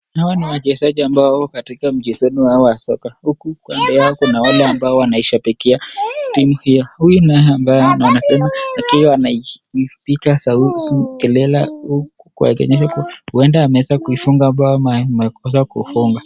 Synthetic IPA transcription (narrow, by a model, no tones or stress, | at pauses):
hawaniwaʄɛsaʄiambakatikam̩ʄisɛniwaɔwasɔkahukukwambɛaɔkunawalɛambaɔwanaiʃapikɛatimuhijɔhujunaambaɔnawanakɛmaakiwɔanaiipikasausukɛlɛla̰hukukua̰ɛkɛ̰ɲɛʃakhuɛndaːmɛɛzakuifuŋɡaːmbaɔmamɛkɔs̬akṵfuŋɡa